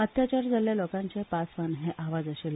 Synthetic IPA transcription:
ət̪jat͡ɕaɾd͡zaljalokãɲt͡ɕepasʋanɦeʔaʋad͡zəɕel

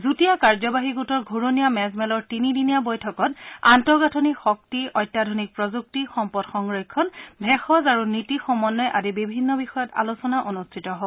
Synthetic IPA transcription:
zutijakaɹzɔbaɦiɡutɔɹɡʱuɹonijamɛzmɛlɔɹtinidinijabojtʰɔkɔta̰ntɔɡatʰɔnikxɔk̚tiɔjtːadʱɔnik̚pɹɔzuk̚tixɔmpɔdxɔŋɹɔjkʰːɔnbʱɛxɔzaɹunitixɔmɔnːɔjʔadibibʱinːɔbixɔjɔta̰lusɔnaʔonustʰitɔɦɔb

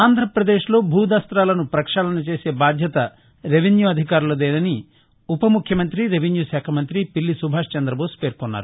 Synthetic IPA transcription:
aːnd̪ʱɾɐpɾɐd̪e̞ːʂlo̞ːbʱuːd̪aːst̪ɾaːlɐnupɾɐkʂaːlɐnut͡ʃe̞ːse̞ːbaːd̪ʱjɐt̪ɐ | ɾeʋinjuɐd̪ʱikaːɾulɐd̪eːjd̪ɐni | upɐmukʰjɐmɐnt̪ɾiɾeʋinjuʃaːkʰɐmɐnt̪ɾipilːisubʱaːʂt͡ʃɐnd̪ɾɐboːspe̞ːɾkɔnːa̰ːɾu

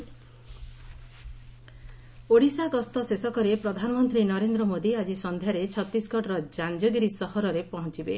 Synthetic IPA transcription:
oɽisaɡɔst̪ɔsesɔkɔɾepɾɔd̪ʱanɔmɔnt̪ɾinɔɾend̪ɾɔmod̪iad͡ʒisɔnd̪ʱjaɾet͡ʃʰɔt̪isɡɔʈɔɾɔd͡ʒand͡ʒɔɡiɾisɔhɔɾɔɾepɔɦɔ̃t͡ʃibḛ

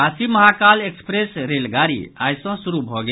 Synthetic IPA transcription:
asiməɦakalekspɾesɾelɡaɾḭa̰jsə̃suɾubʱɔɡe

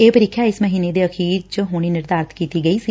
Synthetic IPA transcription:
eːpəɾɪːkʰːjaɪsməɦiːned̪eːəxʰiːɾt͡ʃəɦʊːɽ̃iːnɪɾd̪aːɾət̪kiːt̪iːɡəiːsi

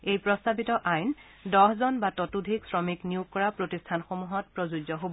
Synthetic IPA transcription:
ejpɹɔstabitɔʔajn | dɔɦzɔnbatɔtudʱiksɹɔmiknijukkːɔɹapɹotistʰanxomuɦɔt̚pɹozud͡ʒɔɦobɔ

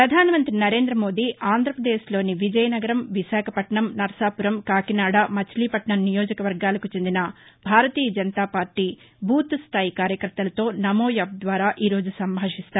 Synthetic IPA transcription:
pɾɐd̪ʱaːnɐmɐnt̪ɾinɐɾe̞ːnd̪ɾɐmo̞ːd̪iːʔaːnd̪ʱɾɐpɾɐd̪eːʃlo̞ːniʋid͡ʒɐjɐnɐɡɐɾɐmʋiʃaːkʰɐpɐʈɳɐmnɐɾɐsaːpuɾɐmkaːkinaːɽamɐt͡ʃliːpɐʈɳɐmnijo̞ːd͡ʒɐkɐʋɐɾɡaːlɐkut͡ʃe̞nd̪inɐbʱaːɾɐt̪iːjɐd͡ʒɐnɐt̪aːpaːɾʈiː | bʱuːt̪st̪ʰaːjikaːɾjɐkɐɾt̪ːɐlɐt̪o̞ːnɐmoːjɐb̚d̪ʋaːɾaːʔiːɾo̞ːd͡ʒusɐmbʱaːʂist̪aːɾ

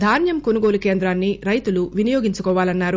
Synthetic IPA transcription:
d̪ʱaːnjɐmko̞nuɡo̞ːluke̞ːnd̪ɾaːnːiɾɐjt̪uluʋinijoːɡiɲt͡ʃukɔːʋaːlɐnːaːɾu

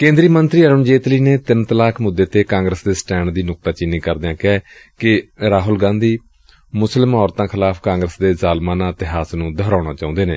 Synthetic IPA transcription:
kẽːnd̪ɾiːmənt̪ɾiːəɾəmd͡ʒeːt̪liːneːt̪ɪnt̪əlaːkʰmʊd̪ːeːt̪eːkãːŋɡɾəsd̪eːsʈɛːɳd̪iːnʊk̚t̪aːt͡ʃɪnːĩːkəɾd̪ejãːkɛːkɪɾaːɦʊlɡãːnd̪iː | mʊslɪmɦɔːɾt̪ãːkʰɪlaːpʰkãːŋɡɾəsd̪eːzaːlmãːnaːt̪ɪɦaːsnũːd̪ʱəɾãːɽ̃ãːt͡ʃaːʊ̃nd̪eːneː

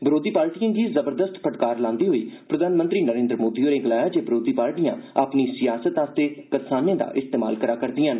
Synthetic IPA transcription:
bɪɾoːd̪iːpaːɾʈijãːɡiːzəbəɾd̪əst̪pʰəʈkaːɾlãːnd̪iːɦoːḭːpɾəd̪ʱaːnmə̃nt̪ɾiːnəɾẽːnd̪ɾmoːd̪iːoːɾẽːɡəlaːjaːd͡ʒeːbɪɾoːd̪iːpaːɾʈijãːaːpniːsɪjaːsət̪ãːst̪eːkəɾsaːnãːd̪a̰ːʔɪst̪eːma̰ːlkəɾaːkəɾd̪iːãːn

